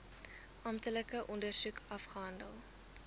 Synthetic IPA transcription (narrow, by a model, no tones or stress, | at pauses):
ʔɐmtələkəʔɔndərsukʰɐfχəɦɐndəlˠ